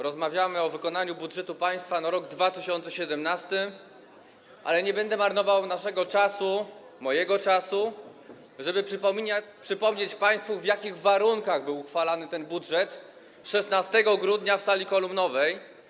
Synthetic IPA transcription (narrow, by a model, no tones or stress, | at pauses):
ɾɔzmavʲjamɘɔvɘkɔnaɲubudʐɛt̪upaj̃st̪fanaɾɔɡd̪vat̪ɘɕɔnt̪sɛɕɛd̪ɛmnast̪ɘ | ʔa̰lɛɲɛbɛnd̪ɛmaɾnɔvawnaʂɛɡɔt͡ʂasu | mɔjɛɡɔt͡ʂasu | ʐɛbɘpʂmʲɲapʂɘpɔmɲet͡ɕpaj̃st̪fuvʲjakʲiɣvaɾuŋkaɣbɘwxfalanɘt̪ɛnbudʐɛt̪ | ʂɛsnast̪ɛɡɔɡɾud̪ɲafsalʲikɔlumnɔvɛj